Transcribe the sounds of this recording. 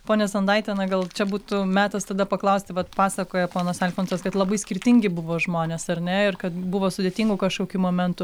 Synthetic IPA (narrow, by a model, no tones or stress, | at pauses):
poːnʲɛsɐnd̪ɐɪt̪ʲɛnɐɡɐlˠt͡ʃʲɛbuːt̪ʊmʲæːt̪ɐst̪ɐd̪ɐpɐklˠɐʊsʲt̪ʲɪʋɐt̪pɑːsɐkoːjɛpoːnɐsɛlʲfʲoːnsɐskɐt̪lˠɐbɐɪsʲkʲɪɾʲt̪ʲɪŋʲɡʲɪbʊʋoːʒmoːnʲeːsɐrʲnʲɛɪrkɐt̪bʊʋoːsʊdʲet̪ʲiːŋɡʊkɐʃkoːkʲuːmoːmʲɛnt̪ʊ